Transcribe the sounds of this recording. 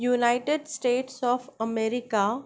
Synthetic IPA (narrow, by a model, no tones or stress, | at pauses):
juːnaɪʈeɖsʈeːʈsɔːfəmeːɾɪka